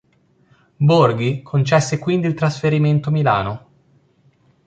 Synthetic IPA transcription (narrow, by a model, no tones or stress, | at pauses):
borɡikʰont͡ʃɛsːekwind̪iːlt̪ɾasfeɾiment̪omila̰ːno